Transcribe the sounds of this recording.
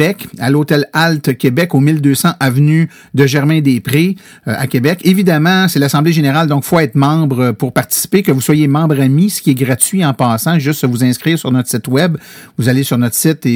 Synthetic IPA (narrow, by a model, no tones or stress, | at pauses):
ɛkalot̪ɛlalt̪kʲebɛkomild̪øːsɑ̃ʔavny | d̪əʒɛʁmɛ̃d̪epʁe | a̰kʲebɛkevid̪amɑ̃sɛlasɑ̃bleʒeneʁald̪ɔ̃kfoɛːt̪mɑ̃bʁəpuʁpaʁt̪i̥si̥pekəvuswajemɑ̃ːbʁamisə̥kʲiɛɡʁatt͡sɥiɑ̃pɑːsãʒʏst̪avuzɛ̃skʁiːʁsyʁnɔt̪χəsɪt̪wɛbvuzalesyʁnɔt̪ə̥sɪt̪e